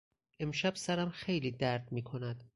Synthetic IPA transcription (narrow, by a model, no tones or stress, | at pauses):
ʔe̞mʃæb̥sæɾæmxejliːd̪æɾd̪miːkʰo̞næd̪̥